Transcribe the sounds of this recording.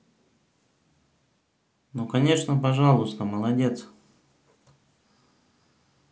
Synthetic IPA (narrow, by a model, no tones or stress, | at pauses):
nukɐnʲe̞ʂnəpɐʐalˠʊst̪əməlˠɐdʲe̞t̪s